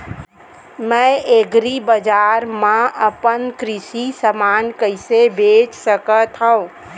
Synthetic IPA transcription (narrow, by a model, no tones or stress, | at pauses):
mə̃eɡɾibəd͡ʒaɾmãəpənkɾɪsisəmaːnkəɪsebʱeːt͡ʃsəkət̪ɦə̃ũ